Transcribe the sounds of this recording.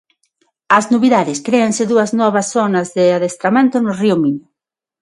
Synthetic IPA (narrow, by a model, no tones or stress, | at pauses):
ɐznoβiðaðɪskɾeɐnsɪðuɐznɔβɐsθɔnɐzðɪaðest̪ɾamẽnt̪ʊnʊriʊmiɲʊ